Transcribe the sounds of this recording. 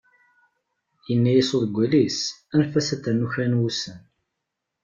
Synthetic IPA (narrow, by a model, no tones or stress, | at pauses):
jənːæjisoðəɡʷːælisænfæsæθænːuçænwusən